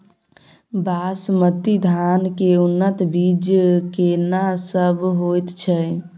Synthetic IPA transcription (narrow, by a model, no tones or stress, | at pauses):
basmət̪id̪ʱankeunːət̪bid͡ʒkenasəbɦojt̪t͡ʃʰɛ